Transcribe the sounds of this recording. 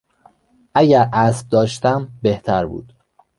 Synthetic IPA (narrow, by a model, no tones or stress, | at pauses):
ʔæɟæɾæsb̚d̪ɒːʃt̪æmbeht̪ʰæɾbṵːd̪̥